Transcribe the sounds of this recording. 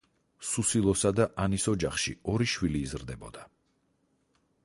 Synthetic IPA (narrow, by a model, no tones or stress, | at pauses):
susilˠɔsad̪aʔanisɔd͡ʒaχʃiɔɾiʃwiliːzɾd̪ɛbɔ̰d̪a